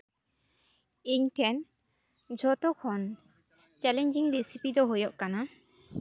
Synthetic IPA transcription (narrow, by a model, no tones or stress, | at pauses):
iɲʈʰɛn | d͡ʒʱɔʈɔkʰɔn | t͡ʃɛlɛɲd͡ʒiŋɾisipid̪ɔɦojɔʔkana